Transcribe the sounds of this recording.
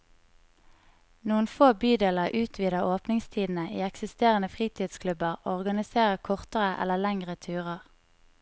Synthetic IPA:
nuːənfoːbyːd̪eːləʁʔʉːt̪ʰʋiːd̪əoːpnɪŋst̪ʰiːd̪n̩əʔiːɛksɪst̪eːʁənəfʁiːt̪ʰiːd̪skʰlʉbəʁɔʁɡɑnɪseːʁəkʰɔʁt̪əʁəʔɛ̰ləlɛŋʁət̪ʰʉːʁəʁ

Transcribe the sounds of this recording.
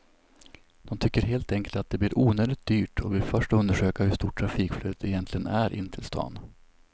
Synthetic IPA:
d̪̥ɔmt̪ʰʏkːəɾɦeːlt̪ɛŋkəlt̪at̪̚d̪ɛbliːɾʔuːnøːd̪ɪt̪̚d̪yːʈʰɔvɪlfœʂʈɵnd̪əʂøːkahɵʂt̪uːʈʰːɾafiːkfløːd̪ət̪ɛjɛnt̪lɪɡənæɾʔɪ̰nːt̪ʰɪlst̪ʰɑ̰ːn

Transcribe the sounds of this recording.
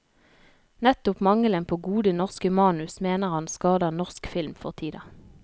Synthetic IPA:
nɛt̪ʊpmɑŋələnpʰoːɡuːd̪ənɔʁskəmɑːnʉsmeːnəʁhɑnskɑːd̪əʁnɔʁskfɪlmfɔʁt̪ʰiːd̪ɑ

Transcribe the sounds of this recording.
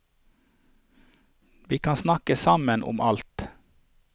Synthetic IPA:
ʋiːkʰɑnsnɑkəsɑmənʔʊ̰mʔɑlt̪

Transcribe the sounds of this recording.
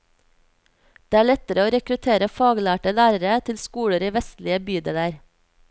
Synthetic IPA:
d̪̥eːæːɭɛt̪əɾəoːɾɛkɾʉt̪ʰeːɾəfɑːɡlæːʈəlæːɾəɾət̪ʰɪlskuːɽəɾiːʋɛst̪lɪəbyːd̪eːləɾ

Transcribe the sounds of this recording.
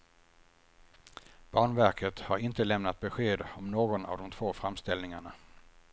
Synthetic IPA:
b̥ɑːɳvæɾkʰət̪haɾɪnt̪əlɛmnat̪̚bɛɧeːd̪ɔmnoːɡɔna̰vd̪ɔmt̪ʰvoːfɾamst̪ɛlnɪŋaɳa

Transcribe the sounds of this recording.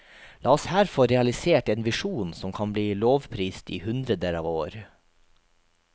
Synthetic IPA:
lɑːɔshæɾfɔɾɛɑlɪseːʈeːnʋɪʃuːnsɔmkʰɑnbliːloːʋpʰɾiːst̪ḭːhʉnd̪ɾəd̪əɾɑːʋoːɾ

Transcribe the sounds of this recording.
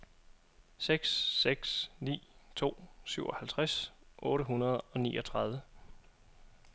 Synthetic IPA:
seɡ̥sːeɡ̥snḭːt͡sʰo̝̰ːsyʊɒ̽hælt͡sʰʁasʔɔ̽ːɾəɦunɐð̞̩ˠɒ̽niːʔɒ̽t͡sʰʁɑ̈ð̞ˠʋə

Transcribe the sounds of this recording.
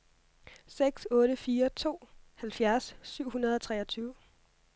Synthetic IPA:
seɡ̥sɔ̽ːɾəfiːɐt͡sʰo̝̰ːhælfjæɐsːyʊ̰hunɐð̞ˠɒ̽t͡sʰʁɛɐt͡sʰyːʊ

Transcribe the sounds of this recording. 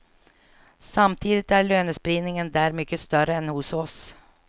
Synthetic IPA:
sɑmt̪ʰiːd̪ɪt̪æːɭøːnəspɾiːnɪŋənd̪æːɾmʏkːəst̪œɾəɛnhʊsɔs

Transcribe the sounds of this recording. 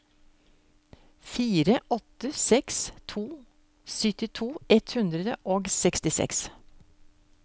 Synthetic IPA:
fiːɾəʔɔt̪əsɛkst̪ʰuː | sʏt̪ɪt̪ʰuːɛt̪hʉnd̪ɾəd̪əʔoːɡsɛkst̪ɪsɛ̰ks

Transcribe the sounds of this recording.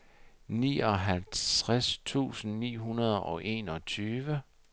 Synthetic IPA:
nḭːɒ̽ɦælt͡sʰʁast͡sʰṵːsn̩nḭːɦunɐð̞ˠɒ̽ʔe̝̰ːnɒ̽t͡sʰyːʋə

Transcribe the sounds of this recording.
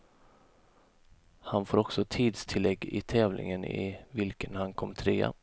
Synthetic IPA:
hanfoːɾɔksɔt̪ʰiːd̪st̪ʰɪlːɛɡːɪt̪ʰɛːvlʔɪ̰ŋənɪ̰vɪlkənhankʰɔmːt̪ʰɾeːa̰

